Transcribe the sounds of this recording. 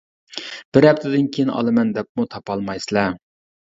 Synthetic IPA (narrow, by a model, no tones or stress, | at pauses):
b̥ɪɾɛp̚t̪ʰɪd̪ɪnkʲʰejinʔɑ̰lˠɨmɛnd̪ɛp̚mut̪ʰɑpɑlˠmɑjsɨlˠɛ